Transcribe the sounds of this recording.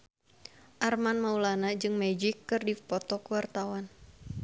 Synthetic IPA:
ʔarmanmaulanad͡ʒɨŋmɛd͡ʒikːɨrdipɔt̪ɔkəwart̪awan

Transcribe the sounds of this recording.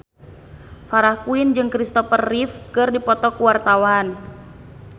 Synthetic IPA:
faɾahkuind͡ʒɨŋkɾist̪ɔfərːifkɨrdipɔt̪ɔkuwart̪awan

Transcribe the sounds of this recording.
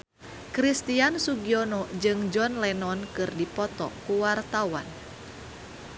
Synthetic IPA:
kɾist̪iansuɡiɔnɔd͡ʒɨŋd͡ʒɔnlɛnɔnkɨrdipɔt̪ɔ̰kuwart̪awa̰n

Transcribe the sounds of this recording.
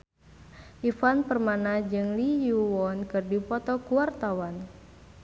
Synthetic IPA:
ʔifanpərmanad͡ʒɨŋlijuwɔnkɨrdipɔt̪ɔkuwart̪awan

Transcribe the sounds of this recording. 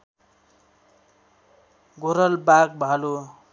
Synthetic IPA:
ɡoɾʌlbak̚bʱalu

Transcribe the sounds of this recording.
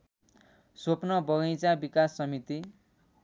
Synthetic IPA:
sopnʌbʌɡʌjt͡sabikasːʌmit̪i

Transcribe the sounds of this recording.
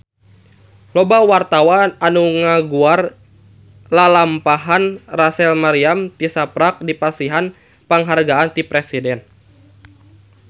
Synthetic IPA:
lɔbawart̪awananuŋaɡuar | lalampaɦanrasɛlmaɾiamt̪isapɾak̚dipasiɦan | paŋɦarɡaant̪ipɾɛsidɛn

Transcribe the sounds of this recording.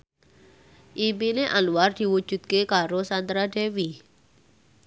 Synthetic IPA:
ʔibineʔaluward̪̥i̤wud͡ʒṳd̪̚kekaɾosand̪ɾadewi

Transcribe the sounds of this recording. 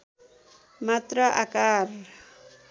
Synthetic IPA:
mat̪ɾəʔakaɾ

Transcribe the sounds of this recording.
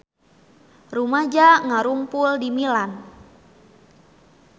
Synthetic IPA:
rumad͡ʒaŋaɾuŋpuldimilan

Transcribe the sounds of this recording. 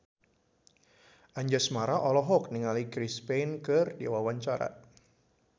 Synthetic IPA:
ʔaɲd͡ʒasmaɾaʔɔlɔɦɔk̚niŋalikɾispejnkɨrdiawawaɲt͡ʃaɾa̰

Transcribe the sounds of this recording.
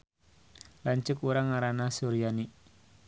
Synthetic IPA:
laɲt͡ʃʊkuɾaŋaɾanasuɾijani

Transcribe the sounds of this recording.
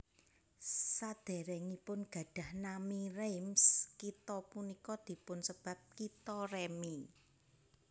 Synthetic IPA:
sad̪̥e̤ɾɛŋipʊnɡ̥ä̤ɖ̥ä̤hnamiɾemskit̪ɔpunikɔd̪̥i̤pʊnsəb̥ä̤p̚kit̪ɔrɛmi

